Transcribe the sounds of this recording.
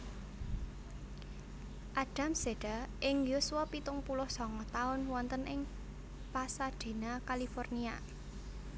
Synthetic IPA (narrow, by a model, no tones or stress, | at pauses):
ʔaɖ̥a̤mseɖ̥aʔɪŋjusuwɔpit̪ʊŋpulʊhsɔŋɔt̪aʊnwɔnt̪ənʔɪŋ | pasaɖ̥e̤nakalifɔrnia